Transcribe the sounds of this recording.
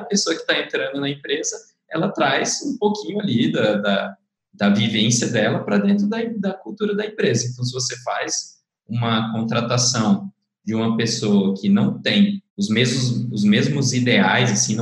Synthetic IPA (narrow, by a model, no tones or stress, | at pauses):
ɐpesoɐkɪ̥t̪aẽnt̪ɾɐ̃nd̪ʊnɐẽmpɾezɐ | ɛlɐt̪ɾajzṵ̃powkʰĩɲʊalid̪ɐd̪ɐ | d̪ɐvivẽsiɐd̪ɛlɐpɾɐd̪ẽnt̪ɾʊd̪ɐ̃d̪ɐkuwt̪uɾɐd̪ɐẽmpɾezɐẽnt̪ɐ̃w̃s̬ɪvosefajz | ũmɐkõt̪ɾat̪asɐ̃w̃ | d͡ʒɪũmɐpesoɐkʰɪnɐ̃w̃t̪ẽj̃ʊzmezmʊzʊzmezmʊzid̪eajzasĩñ